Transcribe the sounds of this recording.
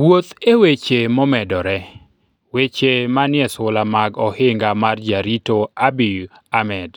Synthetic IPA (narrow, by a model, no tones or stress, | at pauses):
wot̪ewet͡ʃemɔmɛdɔɾɛ | wet͡ʃemanɪɛsʊlamaɡɔhɪŋɡamard͡ʒaɾitoabi | amɛd